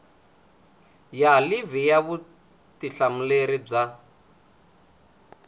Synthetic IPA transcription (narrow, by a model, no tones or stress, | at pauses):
jalivijaβu | tiɬam̩leɾib͡ʐa